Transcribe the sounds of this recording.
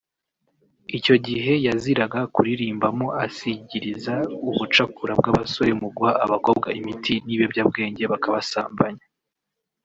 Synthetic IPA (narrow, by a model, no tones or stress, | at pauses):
ico̞ɟiɦe̞jaziɾaɡakuɾiɾiːmbamo̞asiɟiɾizauβut͡ʃakuɾab̚ɡaβasoɾemuɡwaʔːβako̞b̚ɡaimitʰiniβebɟab̚ɡe̞ːɲɟe̞βakaβasaːmbaɲa